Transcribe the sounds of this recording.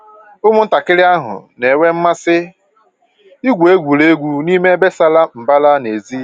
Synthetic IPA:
ʊ˦mʊ˦n̩˦ta˨kɪ˦ɾɪ˦a˦ɦʊ̰˨ne˨wʷe˦m̩˦ma˦sɪ˦ | i˦ɡʷe˦ɡʷu˨ɾe˦ɡʷu˦ni˦me˦be˦sa˦la˦m̩˨ba˦la˦ne˨zi˦

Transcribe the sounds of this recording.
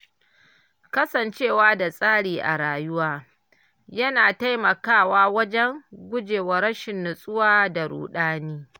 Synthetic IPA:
kɐ˦sɐ˨nt͡ʃeː˦˨waː˦da˨sʼaː˦ɽiː˨ʔa̰˨ɽaː˨jʊ˦waː˦ | jɐ˦naː˨ta˦jmɐ˨kaː˦˨waː˦wɐ˦d͡ʒɛ˦ŋɡʷʊ˦d͡ʒeː˨wɐ˨ɾɐ˦ʃɪ˨nːʊ˨sʼʊ˦waː˦da˨ɽṵː˨ɗaː˦niː˦

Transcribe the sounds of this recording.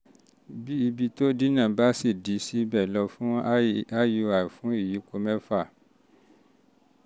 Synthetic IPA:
bi˦i˧bi˧to˦di˦nã˦˨ba˨˦si˦˨di˨˦si˦bɛ˦˨lɔ˧fũ˦a˦ju˧a˨fũ˨˦i˦˨ji˨˦ko˧mɛ̃˦fa˦˨

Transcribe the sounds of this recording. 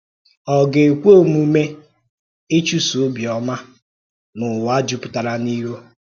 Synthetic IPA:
ɔ˨ɡe˨kʷo˦˨mu˨˦me˦ | e˦t͡ʃu˦su˨˦bjɔ˨ma˦ | mʊ˨wa˦d͡ʒu˦pʊ̥˨ta˨ɾa˨ni˦ɾo˦

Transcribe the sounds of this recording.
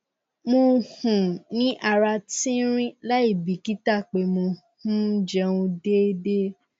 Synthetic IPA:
mo˧hũ˨nĩ˦ʔa˨ɾa˧tĩ˦ɾ̃ĩ˦la˦i˦˨bi˨˦ki˦ta˦˨k͡pe˨˦mo˧ | hũ˦d͡ʒɛ˧ũ˧de˦de˦

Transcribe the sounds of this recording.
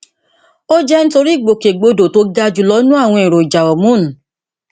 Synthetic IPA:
o˦d͡ʒɛ˦ñ̩˦to˧ɾi˦˨ɡ͡bo˨ke˨ɡ͡bo˧do˨to˧˦ɡa˧d͡ʒu˨˧˨lɔ˦nũ˦a˦˨w̃ɔ̃˧i˨ɾo˨i˨d͡ʒa˨wɔ˨mũ˦nũ˨

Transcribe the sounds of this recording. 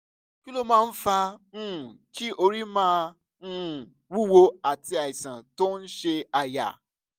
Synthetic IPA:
ki˦lo˧mãː˦˧˦n̩˦fa˧ñ̩ː˦˨ki˦ʔo˧ɾi˦mãː˦˧˦ | wu˦˨wo˧a˦˨ti˧a˨i˨sã̰˨to˦n̩˦ʃe˧a˨ja̰˨

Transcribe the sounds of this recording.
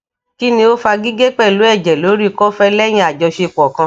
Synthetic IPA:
ki˦nĩ˧o˦fa˧ɡi˦ɡe˦k͡pɛ˦˨lo˨˦ɛ˦˨d͡ʒɛ˨lo˨˦ɾi˦kɔ˦fɛ˦lɛ˦j̃ĩ˧˦a˨d͡ʒɔ˧ʃe˧˨k͡pɔ˨kã˧

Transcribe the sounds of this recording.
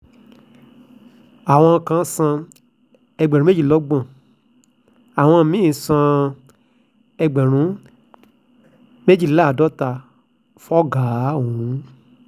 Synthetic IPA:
a˨w̃ɔ̃˧kã˧˦˧sã˧ | ɛ˧ɡ͡bɾũ˦e˦d͡ʒi˦˨lɔ˨˦ɡ͡bã˦˨ | a˨w̃ɔ̃˧˨mĩ˦˨sã˧ | ɛ˧ɡ͡bɛ˨ɾ̃ũ˨˦ | me˦d͡ʒi˦˨la˦˨dɔ˨˦ta˧˨ | fɔ˦ɡa˨˦wũ˨˦

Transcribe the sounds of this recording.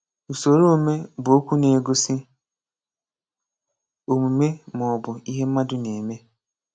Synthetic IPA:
u˨so˨ɾo˦˨me˦bʊ˨o˦kʷu˦ne˨ɡo˦sɪ˦ | o˨mu˨me˦mɔ˨ɔ˨bʊ˨i˦ɦe˦m̩˦ma˦dʊ˦ne˨me˦

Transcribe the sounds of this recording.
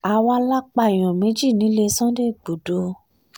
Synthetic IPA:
a˧wa˧la˦k͡pa˧˨i˨j̃ɔ̃˨me˨˦d͡ʒi˦˨nĩ˨˦le˧sɔ̃˦de˦˨ɡ͡bu˨do˧˦

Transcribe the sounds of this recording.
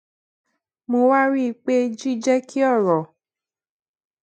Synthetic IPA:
mo˧wa˦ɾi˦˧k͡pe˦d͡ʒi˦d͡ʒɛ˦kʰi˦ɔ˦˨ɾɔ˨

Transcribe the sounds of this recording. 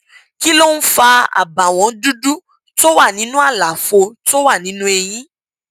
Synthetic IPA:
ki˦lo˦n̩˦fa˧a̰˨ba˨w̃ɔ̃˨˦du˦du˦ | to˦wa˦˨nĩ˨˦nũ˦a˦˨la˨fo˧to˦wa˦˨nĩ˨˦nũ˦e˧j̃ĩ˦

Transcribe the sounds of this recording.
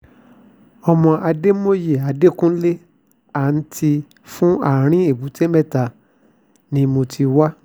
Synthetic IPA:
ɔ˧mɔ̃˧ʔa˧de˦mo˦je˨a˨de˦kũ˦le˦ | a˦˨n̩˦tʰi˧ | fũ˦a˦˨ɾ̃ĩ˦e˦˨bu˨˦te˦mɛ˦˨ta˨ | nĩ˧mo˧tʰi˧wa˦

